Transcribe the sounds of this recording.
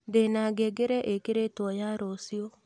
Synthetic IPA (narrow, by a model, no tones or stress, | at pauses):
ndenaɡeɡeɾɛʔekeɾetwɔjaɾosio